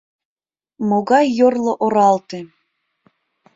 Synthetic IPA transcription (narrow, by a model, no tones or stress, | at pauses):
moɣɑjːorlˠoʔoɾɑlt̪e